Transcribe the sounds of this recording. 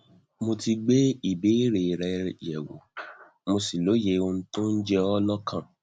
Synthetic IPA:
mo˧ti˧ɡ͡be˦i˦˨be˨˦i˦ɾe˨ɾɛ˧jɛ˨wo̰˨ | mo˧si˨lo˨˦je˧o˧ñ̩˦to˦n̩˦d͡ʒɛ˦ɔ˦lɔ˦kʰã˦˨

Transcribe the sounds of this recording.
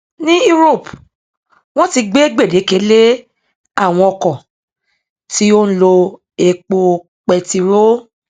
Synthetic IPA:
nĩ˦u˦ɾo˦˨p | w̃ɔ̃˦ti˧ɡ͡be˦ɡ͡be˦˨de˨˦ke˨˦le˦ | a˦˨w̃ɔ̃˧ɔ˧kɔ̃˨ | ti˦o˦n̩˦lo˧ | e˧k͡po˧ | k͡pɛ˧ti˧ɾo˦

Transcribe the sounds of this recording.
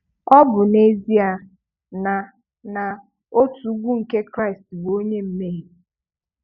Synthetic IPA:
ɔ˦bʊ˨ne˦zi˦a˨ | na˨ | na˨ | o˦tu˨˦ɡʷu˦ŋ̩˨ke˦kɾa˦ɪ˨stbo˦ɲe˦m̩˦me˦ɦe˨

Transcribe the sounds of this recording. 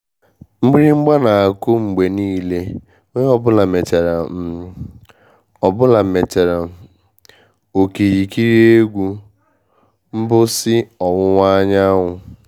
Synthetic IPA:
ŋ͡m̩˦ɡ͡bi˦ɾi˦ŋ͡m̩˦ɡ͡ba˦na˨a˨kʊ˦ŋ͡m̩˨ɡ͡be˨niː˦le˦ | ɲ˦ɔ˦bʊ˦la˨me˨t͡ʃe˨ɾa˨˦ | ɔ˨bʊ˦la˨me˨t͡ʃe˨ɾa˨ | o˨ke˨ɾi˨ki˦ɾi˦e˦ɡʷu˦ | m̩˦bʊ˦sɪ˦ɔ˨wʊ˦ŋʷa˦ɲa˦ɦʊ˨

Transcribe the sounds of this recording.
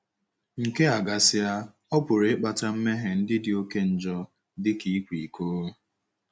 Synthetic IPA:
ŋ̩˨ke˦a˨ɡa˨sɪ˦a˦ | ɔ˦pʊ˨ɾe˨˦k͡pa˨ta˦m̩˦me˦ɦe˨n̩˦dɪ˦dɪ˨o˦ke˦n̩˨d͡ʒɔ˦ | dɪ˦ki˨˦kʷi˨i˨koː˦

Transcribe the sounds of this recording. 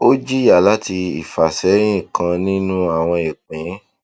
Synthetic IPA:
o˦d͡ʒi˦ja˨la˦ti˧i˨fa˨sɛ˨˦ɾ̃ĩ˦ĩ˦˨kʰã˧nĩ˦nũ˦a˦˨w̃ɔ̃˧e˨k͡pẽ˨˦

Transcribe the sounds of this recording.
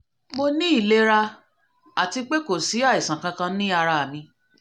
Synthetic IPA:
mo˧nĩ˦i˦˨le˦ɾa˧ | a˨ti˧k͡pe˦ko˨si˨˦a˦˨i˨sã˨kã˧kã˧nĩ˦a˧ɾa˧˨mĩ˧

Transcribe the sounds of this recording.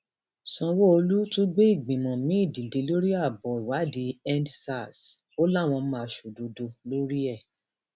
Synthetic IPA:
sɔ̃˧wo˦o˧lu˦tũ˦ɡ͡be˦i˦˨ɡ͡bĩ˨mɔ̃˨mĩ˦i˦˨dĩ˨de˨˦lo˦ɾi˦a˦˨bɔ˨i˨wa˨˦di˨˦ɛ̃˦ndsa˦˨s | o˦la˦˨w̃ɔ̃˧˦mã˧˨ʃo˨do˨do˧lo˦ɾi˦ɛ˦˨

